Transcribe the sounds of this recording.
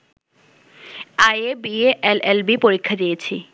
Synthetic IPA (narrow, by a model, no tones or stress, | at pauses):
ajebieʔelelbipoɾikʰːad̪ijet͡ɕʰi